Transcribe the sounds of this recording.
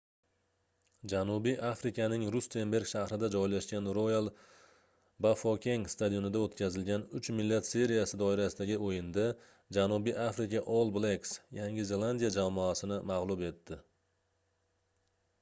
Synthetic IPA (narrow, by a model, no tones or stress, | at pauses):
d͡ʒanubijʔafɾɪkʲʰanɪŋɾʊst̪ʰe̞mbe̞ɾɡʲʃahɾɪd̪ad͡ʒɒjlaʃɡʲanɾojalˠ | bafokʲʰeŋst̪ad̪ijo̞nɪd̪aot̪kʲʰazɪlɡʲanʊt͡ʃmɪlːat̪se̞ɾijasɪd̪ɒɪɾasɪd̪aɡʲɪojɪnd̪a | d͡ʒanʊbijʔafɾɪkʲaʔolˠbleksjaŋʲɪze̞lˠand̪ijad͡ʒamɔasɪnɪmaʁlˠʊbe̞t̪ːɪ